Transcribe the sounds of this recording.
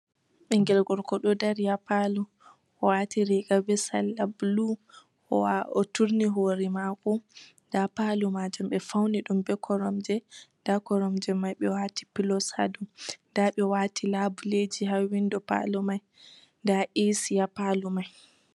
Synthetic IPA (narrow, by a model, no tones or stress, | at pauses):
ɓɛŋɡɛlɡɔɾkɔɗɔdaɾjapalu | ʔɔwatiɾiɡabɛsa̰lːablu | ɔ̰waɔtuɾniɦoːɾimakɔndapalumad͡ʒumɓɛfawniɗumbɛkʰɔɾɔmd͡ʒɛ | d̥akɔɾɔmd͡ʒɛmajɓɛwati̥pilɔsa̰dundaɓɛwatʰilabuled͡ʒiɦawindɔpa̰lumaj | ndaʔisijapalumaj